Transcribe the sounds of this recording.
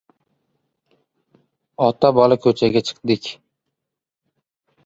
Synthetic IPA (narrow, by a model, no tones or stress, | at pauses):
ɒt̪ʰabɒlakʰɵt͡ʃʰaɡʲat͡ʃʰɨ̥qd̪ɪkʲ